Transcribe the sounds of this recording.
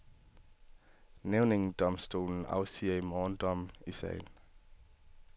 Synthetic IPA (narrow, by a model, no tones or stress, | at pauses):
neʊneŋd̥ɒmsd̥o̝̰ːln̩ɑ̰̈ʊsiːɐimɒːnd̥ɒmisɛ̰ɪl